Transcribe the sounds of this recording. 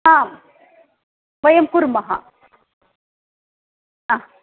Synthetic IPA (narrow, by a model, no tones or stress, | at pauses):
aːm | ʋɐjɐmkuɾmɐɦa̰ | a